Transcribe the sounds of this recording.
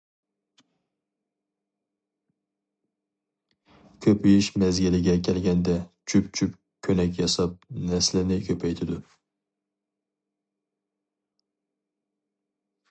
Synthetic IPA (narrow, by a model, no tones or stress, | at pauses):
kʲʰøpʰijɪʃmæzɡʲilɪɡʲɛkʲʰɛlɡʲɛnd̪ɛt͡ʃʰypt͡ʃʰyp | kʲʰønɛkʲjɑsɑp̚næslɪnɪkʰʲøpʰɛjt̪ʰɪd̪ʊ